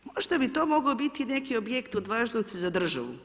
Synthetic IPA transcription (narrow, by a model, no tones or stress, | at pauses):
moʒd̪abit̪o̞mo̞ɡaobit̪ine̞kio̞bjekt̪od̪ʋaːʒnod̪sezad̪r̩ʒa̰ʋṵ